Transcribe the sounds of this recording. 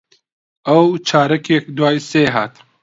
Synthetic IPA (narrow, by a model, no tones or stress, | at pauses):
ɐwt͡ʃʰaːɾɐkek̚d̪waːjseːɦa̰ːt̪